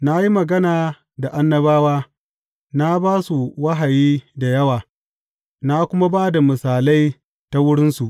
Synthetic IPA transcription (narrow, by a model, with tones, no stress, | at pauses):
na˦ji˦mɐ˨ɡɐ˦naː˨ | da˨ʔa˦nːɐ˦baː˦waː˦ | na˦baː˦su˨wɐ˦ɦa˨jiː˦da˨jɐ˦waː˨ | na˦kʷʊ˦ma˦baː˦da˨mɪ˨saː˨la˦j | ta˦wʊ˦ɽɪ˦nsu˨ʔ